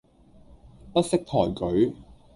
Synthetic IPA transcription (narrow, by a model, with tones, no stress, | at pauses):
pɐ˥t̚sɪ˥k̚t̪ʰɔː˨˩jkɵ˨˥ɥ